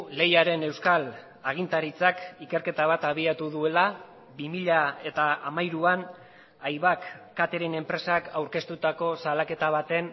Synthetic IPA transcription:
le̞jaɾe̞ne̞wskal | aɣ̞int̪aɾit͡sakike̞ɾke̞t̪aβ̞at̪aβ̞iat̪uðue̞la | bimiʎae̞t̪aamajɾuan | ajβakː | at̪e̞ɾe̞ne̞mpɾe̞sakawɾke̞st̪ut̪ako̞salake̞t̪aβat̪e̞n

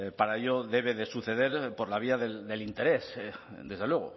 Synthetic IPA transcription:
paɾaeʎoðe̞β̞e̞ðe̞suθe̞ðe̞ɾpo̞ɾlaβ̞iaðeld̪e̞lint̪e̞ɾe̞s | d̪e̞zð̞elwe̞ɣ̞o̰

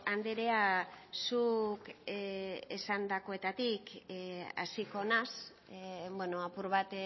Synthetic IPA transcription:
and̪eɾe̞asuk | esand̪ako̞e̞t̪at̪ik | a̰siko̞nas | bwenoapuɾβat̪

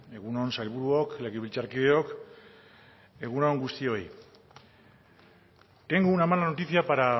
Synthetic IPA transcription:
e̞ɣunonsajlβuɾuokle̞ɣeβilt͡saɾkiðeo̞k | e̞ɣunoŋɡust̪io̞j | t̪eŋɡunamanlano̞t̪isiapaɾa

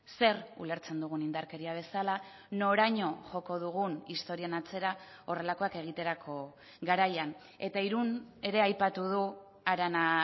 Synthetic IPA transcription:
se̞rṵle̞ɾt͡se̞nd̪uɣ̞unind̪aɾke̞ɾiaβ̞e̞sala | no̞ɾaɲo̞ʝo̞ko̞ðuɣ̞unist̪o̞ɾianat͡se̞ɾao̞re̞lako̞ake̞ɣ̞it̪e̞ɾakʰo̞ | ɡaɾajan | e̞t̪aiɾune̞ɾe̞ajpat̪uð̞u | aɾana

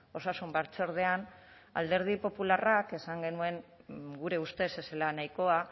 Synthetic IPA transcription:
o̞sasumbaɾt͡so̞ɾð̞e̞an | a̰ld̪e̞ɾð̞ipo̞pularake̞saŋɡe̞nue̞ŋɡuɾe̞ust̪e̞se̞selanajko̞a

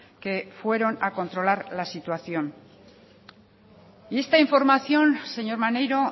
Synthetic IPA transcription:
ke̞fwe̞ɾo̞nako̞nt̪ɾo̞laɾlasit̪waθjo̞n | ie̞st̪aiɱfo̞ɾmaθjo̞nse̞ɲo̞ɾmane̞jɾo̞

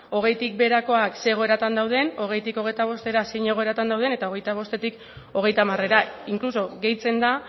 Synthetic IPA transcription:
o̞ɣ̞e̞jt̪ik̚be̞ɾako̞akse̞ɣ̞o̞e̞ɾat̪and̪awð̞e̞no̞ɣ̞e̞jt̪iko̞ɣejt̪aβ̞o̞st̪e̞ɾasejɲe̞ɣ̞o̞e̞ɾat̪and̪awð̞e̞ne̞t̪ao̞ɣe̞jt̪aβ̞o̞st̪e̞t̪ik | o̞ɣ̞e̞jt̪amare̞ɾaiŋkluso̞ɣe̞jt͡se̞nd̪a

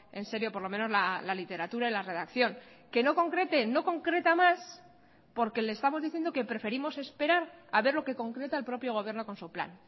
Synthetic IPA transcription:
e̞nse̞ɾjo̞poɾlo̞mẽ̞no̞zlalalit̪e̞ɾat̪uɾailare̞ð̞akθjo̞ŋ | ke̞no̞ko̞ŋkɾe̞t̪e̞no̞ko̞ŋkɾe̞t̪amas | po̞ɾke̞le̞ːst̪amo̞zðiθje̞nd̪oke̞pɾe̞fe̞ɾimo̞se̞spe̞ɾaɾa̰βe̞ɾlo̞ke̞ko̞ŋkɾe̞t̪aelpɾo̞pjo̞ɣ̞o̞βjeɾno̞ko̞nsupla̰n

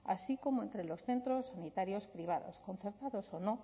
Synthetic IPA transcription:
a̰sikomoent̪ɾelosθent̪ɾosːanit̪aɾjospɾiβ̞aðo̰skon̟θeɾt̪aðosonõ

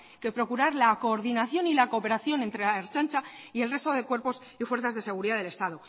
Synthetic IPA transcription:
ke̞pɾo̞kuɾaɾlakoːɾðinaθjo̞nilako̞pe̞ɾaθjo̞nent̪ɾe̞aeɾt͡ʃant͡ʃaie̞lre̞st̪o̞ðe̞kwe̞ɾpo̞s | ifwe̞ɾθazðe̞se̞ɣ̞uɾiðaðele̞st̪aðo

